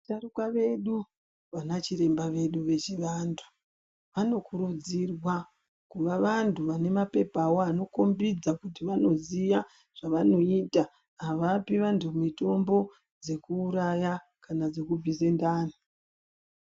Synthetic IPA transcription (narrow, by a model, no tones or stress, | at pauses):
tarukaʋe̞ɗu | ʋanat͡ʃiɾe̞mbaʋe̞ɗuʋe̞t͡ʃiʋandʰu̥ | ʋano̞kuɾud͡zirwa | kuʋaʋantʰuʋane̞mape̞pawo̞ano̞ko̞mbid͡zakutiʋano̞zija | ʐ̥aʋano̞iːta | ɦaʋapiʋantʰumito̞mbo̞ | d͡ze̞kuːɾaja | kanad͡ze̞kubʱise̞ndaːni